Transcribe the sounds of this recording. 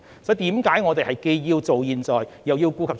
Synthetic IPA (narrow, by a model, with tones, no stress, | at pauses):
sɔː˨˥t̪iː˨˥mkaː˨˥jŋɔː˨˧t̪e˨jhɐ˨˩jke˧jːiː˧wt͡so˨wjiː˨nt͡sɔː˨˩jjɐ˨˩wjiː˧wkuː˧kʰɐ˨p